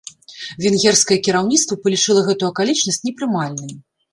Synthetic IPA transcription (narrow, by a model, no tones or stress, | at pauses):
vʲɛnɣʲɛrskɐjɐkʲiɾawnʲit̪st̪vɐpɐlʲit͡ʂɨlˠɐɣɛt̪uuɐkalʲit͡ʂnɐsʲt͡sʲnʲɛpɾɨmalʲnɨj